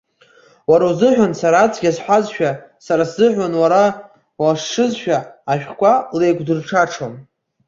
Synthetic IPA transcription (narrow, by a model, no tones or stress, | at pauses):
waɾazɨħʷᶣansaɾaːt͡sʰʼɡʲazħʷazʃᶣasaɾasz̥ɨħʷᶣanwaɾa | waʂʂɨzʃᶣaːʃᶣkʷʼale̞jɡʷdɨrʈ͡ʂʰaʈ͡ʂʰon